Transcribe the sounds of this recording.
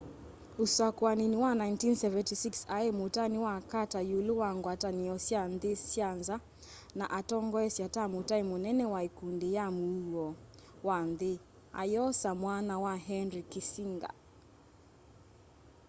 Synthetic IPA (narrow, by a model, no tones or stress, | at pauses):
usakwaniniwanaintinsɛvɛntisiksaemotaniwakatajulowaŋɡwataniɔsjanðesianza | naʔatɔŋɡɔɛsjatamotaimonɛnɛwaikundejamuuɔwanðe | a̰jɔsamwanawaɦɛnɾikisiŋɡa̰